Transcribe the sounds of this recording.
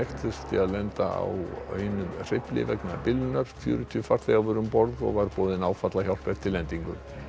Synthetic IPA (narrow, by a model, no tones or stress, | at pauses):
ɛxt̪ʏst̪ɪaðlɛnt̪a̰a̰wœ̰ːɥnʏmr̥ejplɪ̰vɛknapɪlnœɾ̥fjʏ̰ːɾʏt̪ʰiʏfaɾ̥t̪ʰɛɣavʏɾʏmpɔɾðɔ̰ɣvaɾpɔːðɪnawfat̪laçjawl̥pɛɾ̥t̪ʰɪlɛnt̪iŋkʏm